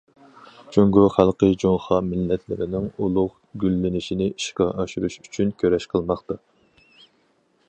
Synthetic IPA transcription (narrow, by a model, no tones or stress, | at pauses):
t͡ʃʰøŋɡyχælˠqəjd͡ʒoŋχɑmɪlːɛt̪ʰlɪ̰ɾɪnɪŋulˠʊʁ | ɡʲylːɪnɪʃinɪʔiʃqɑʔɑʃuɾuʃyt͡ʃʰynkʲʰøɾɛʃqʰəlˠmɑχt̪ɑ